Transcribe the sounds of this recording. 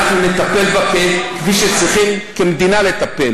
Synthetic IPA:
aχnunet̪ape̞lbapekviʃet͡sʁiχimkemed̪inale̞t̪apel

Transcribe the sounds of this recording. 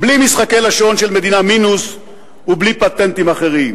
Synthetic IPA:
blimisχake̞laʃo̞nʃelme̞d̪inaminus | ublipat̪e̞nt̪imaχe̞ʁim

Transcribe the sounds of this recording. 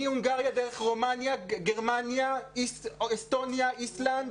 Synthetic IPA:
iuŋɡaʁjadeʁeχʁo̞manjaɡeʁmanjaiest̪o̞njaʔisland̪

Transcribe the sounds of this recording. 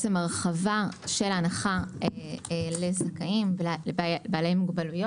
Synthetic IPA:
t͡semaʁχavaʃe̞lanaχaeele̞zakaim | baːlejmuɡbalujo

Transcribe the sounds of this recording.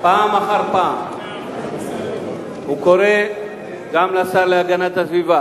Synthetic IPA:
paːmaχaʁpaːm | hukoʁe̞ | ɡamlasaʁleaɡanat̪asviva

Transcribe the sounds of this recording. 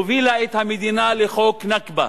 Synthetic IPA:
ʋilait̪ʰɐmid̪inaːlixoːkʰnɐkbɐ̰

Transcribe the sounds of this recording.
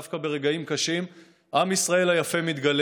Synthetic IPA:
fkabe̞ʁe̞ɡaimkaʃim | ʔamisʁae̞lajafe̞mit̪ɡal

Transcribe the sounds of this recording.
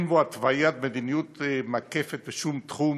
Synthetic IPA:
nboat̪vajat̪̚med̪inijut̪makefet̪̚beʃumt̪χum

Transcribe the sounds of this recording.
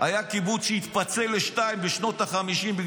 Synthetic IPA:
ajakibut͡sʃeit̪pat͡se̞leʃtaimbeʃno̞t̪aχamiʃimbiɡ

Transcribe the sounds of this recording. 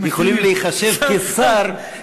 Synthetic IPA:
jeχolimlejiχaʃe̞vkesaɾ

